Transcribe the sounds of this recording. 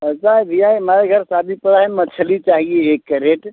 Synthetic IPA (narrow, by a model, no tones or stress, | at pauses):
ət͡ʃab̪ijajmaɾeɡʱəɾsab̪ʱipəɽaɦemət͡ʃʰəlit͡ʃaɦieːkːəɾeʈ